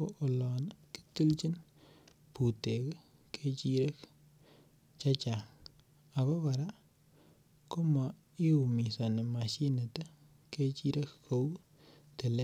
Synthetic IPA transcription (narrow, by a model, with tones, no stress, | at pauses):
o˦ʔo˨lɔ˨nki̥˦tu˦lt͡ʃi˦n | pu˨te˨k | kʰe˦t͡ʃi˦ɾe˦k | t͡ʃa˦t͡ʃa˨ | a˨βɔ˦pa˨ɾa˦ | ko˦ma˨ | i˦u˨mi˨sa˨ne˨ma˨ʃi˦ne˨te˦ | ke˦t͡ʃi˦ɾe˦kko˦w | te˨le˦